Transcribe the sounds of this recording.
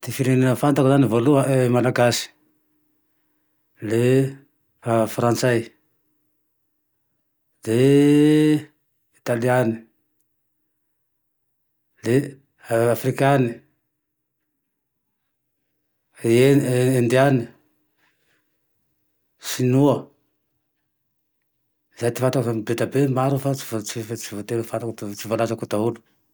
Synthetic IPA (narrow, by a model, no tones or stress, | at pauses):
d̪̥efiɾeninəfant̪akuzanivoluamalaɡasi̥ | le | fafrant͡saj | le | it̪aliani̥ | le | afrikani | eend̪iani | sinuə | zajt̪i̥fant̪akambet̪abemaɾufat͡si̥vot͡sift͡sivot̪elfat̪ak̪t͡sivalazakut̪aulu̥